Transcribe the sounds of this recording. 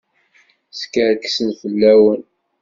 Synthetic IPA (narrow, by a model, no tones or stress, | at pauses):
skəɾksənfəlːæwən